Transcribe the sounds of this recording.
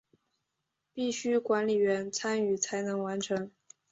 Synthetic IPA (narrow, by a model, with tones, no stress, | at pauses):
pi˥˩ɕy˥kwa˧˥nli˨˩ɥɛ˧˥nt͡sʰa˥ny˨˩t͡sʰa˧˥ɪnɤ˧˥ŋwa˧˥nʈ͡ʂʰə˧˥ŋ